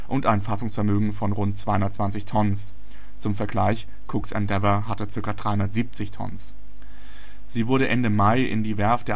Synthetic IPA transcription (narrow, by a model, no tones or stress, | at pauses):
ʔʊntaɪnfasʊŋsfɛɐmøːɡŋ̩fɔnʁʊntt͡sv̥aɪhʊnɐtt͡sv̥ant͡sɪçtʰɔnəns | t͡sʊmfɛɐɡlaɪç | kʰʊksɛ̰ndɛvɐɦatət͡sɪɐkɐdʁaɪhʊnɐtz̥iːp̚t͡sɪçtʰɔ̰ns | z̥iːvʊɐɾəʔɛndəmaɪʔɪ̰ndiːvɛɐfd̥eːɐ